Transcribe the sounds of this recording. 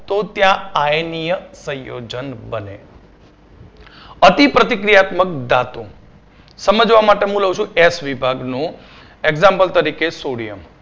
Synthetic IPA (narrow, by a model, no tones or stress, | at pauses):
t̪ot̪jãajnijəsə̃jo̰d͡ʒənbənḛ | ət̪ipɾət̪ikɾijat̪mək̚d̪at̪ũ | səməd͡ʒʋamaʈeɦũləɦũt͡ʃʰũesʋibʱaɡnũ | eɡzãmpəlt̪əɾikesoɽijəm